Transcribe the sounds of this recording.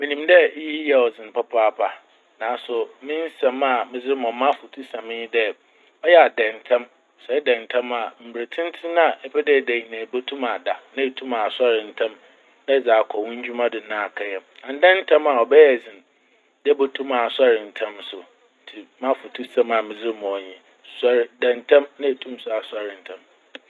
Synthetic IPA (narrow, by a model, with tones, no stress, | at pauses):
mĩ˨nĩ˨mdɛ˦ji˦jɛ˨ɔ˨d͡zɪ̃˨n˨pʰa˦pʰaː˦pʰa˨ | nãː˨˦˨sʊ˨mɪ̃˦n˦sã˨ma˨mɪ̃˨d͡zɪ˦ɾmɔ̃˨˦mã˦fʊ˨tʰu˦sã˨mɪ̃˦ji˦dɛ˦ | ɔ˦jɛ˦˨a˨dɛ̃˨ntʰã˦m | sɛ˨˦dɛ̃˨n˨tʰã˦ma˨m̩˨bɾe˨tʰɪ̃˦n˦tʰɪ˦nã˦˨ɛ˦pɛ˦dɛ˦˨dæ˨hi˨nã˨bo˦tʰũ˦ma˨da˨nã˦e˨tʰũ˦ma˨sa˦ɾɪ̃˨n̩˨tʰã˦m | nã˦d͡zaː˨kʰɔ˨wũ˦ɲ̩˦d͡ʑᶣu˦mã˦dɪ˨nã˦a˨kʰa˦jɛ˨mã˨n˦dɛ̃˦n˦tʰã˦ma˨ɔ˨bɛ˦jɛ˨zĩ˨n˨ | dɛ˦bo˦tʰũ˦ma˨sa˦ɾɪ̃˨n̩˨tʰã˦msʊ˨ | n̩˦tʰi˨mã˦fʊ˨tʰu˦sã˨ma˨mɪ̃˨zɪ˦ɾmɔ̃˨ɔ˨ɲĩ˦ | sa˦ɾɪ˦dɛ̃˨ntʰã˦mnã˦e˨tʰũ˦m˦sʊ˨a˨sa˦ɾɪ̃˨n̩˨tʰã˦m